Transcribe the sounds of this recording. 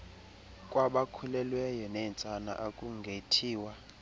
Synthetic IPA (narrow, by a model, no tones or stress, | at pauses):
kʼwaɓakʰulɛlwɛjɔnɛnt͡sʼana̰ʔakʼuŋɡʱetʰiːwa